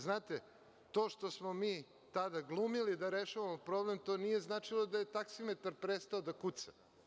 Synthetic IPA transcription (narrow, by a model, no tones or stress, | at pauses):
znaːt̪e | t̪o̞ːʃt̪o̞smomiː | t̪ad̪aɡlˠumilid̪aɾeʃaʋamopɾo̞blemt̪o̞ːnije̞znat͡ʂilˠod̪ajet̪aksimet̪aɾpɾest̪aod̪akut̪sḁ